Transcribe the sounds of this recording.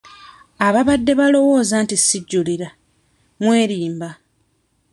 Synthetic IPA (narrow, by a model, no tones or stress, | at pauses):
aβaβadːe̞βalo̞wo̞ːzantisiɟːuliɾa | mwe̞ːɾiːmba